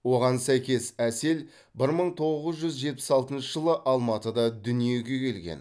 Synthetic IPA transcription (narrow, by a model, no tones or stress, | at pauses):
wo̞ʁɑnsæjkʲe̞sæse̞l | bɪɾməɴt̪ʰo̞ʁəzʒʏzʒe̞t̪̚pɪ̥sɑlˠt̪ənʃəʒəlˠəʔɑlˠmɑt̪əd̪ɑd̪ʏnije̞ɡʲe̞kʲʰe̞lɡʲe̞̰n